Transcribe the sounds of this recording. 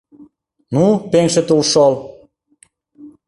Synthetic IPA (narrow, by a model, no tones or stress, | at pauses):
nupeŋʃĕt̪ulʃol